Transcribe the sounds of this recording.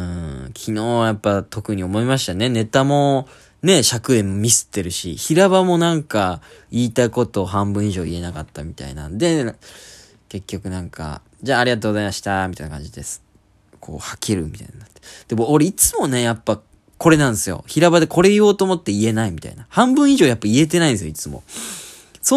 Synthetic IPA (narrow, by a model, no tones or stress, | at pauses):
ɯ̟̃kʲʰino̞ːjapːat̪o̞kɯ̟ɲ̟io̞mo̞imaɕi̥t̪ane̞ne̞t̪amo̞ | ne̞ɕakɯ̟emːomʲisɨ̥t̪ːe̞ɾɯ̟ɕḭçiɾaβamo̞nãŋkaiːt̪aiko̞t̪o̞ːɦãmbɯ̟̃iʑo̞ːie̞nakat̪ːamʲit̪a̰ḭna̰d̪e̞ | ke̞kʲːo̞kɯ̟nãŋka̰ | d͡ʑaːɾʲiɡat̪oːɡo̞zaimaɕi̥t̪amit̪ainakã̰ɲ̟d͡ʑid̪e̞s | kʰo̞̰ːhakʰeɾɯ̟mʲit̪a̰inanat̪ːe̥d̪̥e̞moːɾe̞it͡sɨmo̞ne̞japːa | ko̞ɾe̞nãnd̪esɨjo̞̰çiɾaβad̪e̞ko̞ɾe̞io̞ːt̪oːmo̞t̪ːe̞ie̞naimit̪a̰inahãmbɯ̟̃iʑo̞ːjapːaie̞t̪̬e̞naĩd̪esɨjoit͡sɨmo̞̰ | so